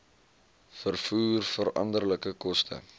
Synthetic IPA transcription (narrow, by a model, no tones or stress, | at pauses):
fərfuːrfəɾɐ̰ndərləkəkɔstʰə̰